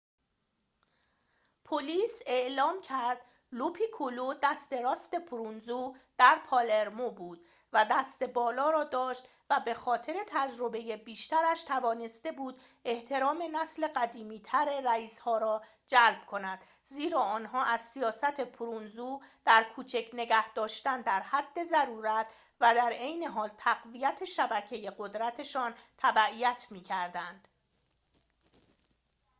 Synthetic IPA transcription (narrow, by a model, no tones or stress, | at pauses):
pʰoliːse̞ʔlɒːmcʰæɾd̪̥ | lupʰiːkʰolud̪æst̪e̞ɾɒːst̪e̞pʰuɾunzuːd̪̥æɾpʰɒleɾmobuːd̪̥ | væd̪æst̪e̞bɒːlɒːɾɒːd̪ɒːʃt̪ | væbe̞xɒːt̪ʰe̞ɾe̞t̪ʰæd͡ʒɾo̞be̞jebiːʃt̪æɾæʃt̪ʰævɒːne̞st̪e̞buːd̪ | e̞ht̪ʰe̞ɾɒːme̞næsle̞ɢæd̪iːmiːt̪ʰæɾeɾæiːshɒːɾɒː | d͡ʒælb̥̚kʰo̞næd̪̥ | ziːɾɒːɒːnɦɒːʔæz̥sijɒːsæt̪ʰe̞pʰuɾunzuːd̪̥æɾkʰuːt͡ʃʰecʰne̞ɡæhd̪ɒːʃt̪ænd̪æɾhæd̪ːe̞zæɾuːɾæt̪ʰ | væd̪æɾejne̞ɦɒːlt̪ʰæɣvijæt̪ʰe̞ʃæbæcʰe̞je̞ɢo̞d̪ɾæt̪ʰe̞ʃɒːnt̪ʰæbæʔijæt̪ʰmiːcʰæɾd̪ænd̪̥